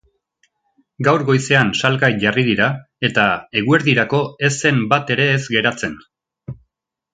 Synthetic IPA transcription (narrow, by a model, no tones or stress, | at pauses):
ɡawɾɣo̞jse̞ansalɣajʝarið̞iɾa | e̞t̪ae̞ɣue̞ɾðiɾako̞e̞se̞mbat̪e̞ɾe̞ːzɡe̞ɾat͡se̞n